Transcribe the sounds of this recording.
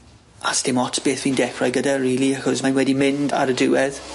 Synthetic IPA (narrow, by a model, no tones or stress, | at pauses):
astʰɪmɔtʰb̥eːθviːndɛkʰɹajɡədariːlˠiaxɔsmajnwɛdimɪnda̰ɾədɪwɛð̥